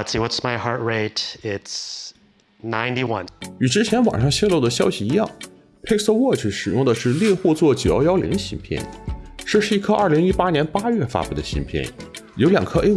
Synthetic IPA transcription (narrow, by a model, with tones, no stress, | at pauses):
tsiwʌtsmaɪhɑɹt̚ɹeɪtɪts | nãɪ̃ntiwʌ̰̃ny˨˩ʈ͡ʂɻ̩˥t͡ɕʰjɛ˧˥nwɑ̰˨˩ŋʂɑ˥˧ŋɕjɛ˥˧lo˥˩ʊd̪ə˩ɕjɑ˥ʊɕi˨i˧˥jɑ˥˩ŋ | pʰe˥sə˥˧wɔ˥˧t͡ɕʰi˧˩ʂɻ̩˨˩jʊ˥˩ŋd̪ə˩ʂɻ̩˥˧ljɛ˥˧xwɔ˥˧t͡swɔ˥˩t͡ɕu˨˩jɑ̰˧˥jɑ˥ʊlḭ˧˥ŋɕi˧˥npʰjɛ̰˥˩nʈ͡ʂɤ˥˧ʂɻ̩˥˧i˥˩kʰɤ˥˧ʔɐ˞˥˩li˧˥ŋi˥pa˥njɛ˧˥npa˥ɥɛ˥˩fa̰˥pu˥˩d̪ə˩ɕḭ˧˥npʰjɛ̰˥˩njo˧˥ʊljɑ˨˩ŋkʰɤ˥ʔe˥ɪ